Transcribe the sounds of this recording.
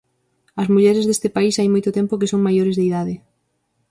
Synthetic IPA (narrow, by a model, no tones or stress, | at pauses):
ɐzmuʎɛɾɪzðest̪ɪpaisajmojt̪ʊt̪ɛmpokɪsoŋmajoɾɪzðeiðaðɪ